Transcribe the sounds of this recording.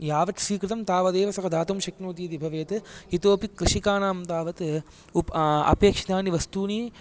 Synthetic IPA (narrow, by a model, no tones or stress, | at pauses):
jaːʋɐt̪sʋiːkɾɪt̪ɐmt̪aːʋɐd̪eːʋɐsɐkɐd̪aːt̪ɐmʃɐknoːt̪iːt̪ibʱɐʋeːt̪ɨit̪oːpikːɾɨʃikaːnaːmt̪aːʋɐt̪ | upɐ̰peːkʂit̪aːniʋɐst̪uːniː